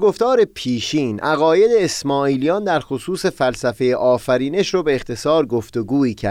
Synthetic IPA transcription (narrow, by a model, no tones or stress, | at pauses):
ɡo̞ft̪ɒːɾe̞pʰiːʃiːnʔæɣɒːje̞d̪eːsmɒːiːlijɒːnd̪æɾxosuːse̞fælsæfe̞jeʔɒːfæɾiːne̞ʃɾobe̞ːxt̪ʰe̞sɒːɾɡo̞ft̪o̞ɡuːiːcʰæ̰ɾd̪